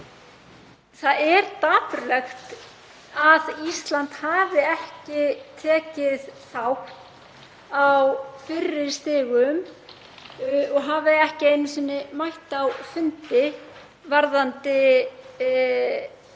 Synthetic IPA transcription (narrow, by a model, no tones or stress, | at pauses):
θaðɛɾt̪aːpʏɾlɛxt̪ | aðist̪lant̪haːvɪɛhcɪt̪ʰɛːcɪðθawh | awfɪrːɪɾ̥st̪ɪːɣʏm | ɔɣɦavɪɛhcɪejnːʏsɛnːɪmajht̪awfʏnt̪ɪ | vaɾðant̪ɪ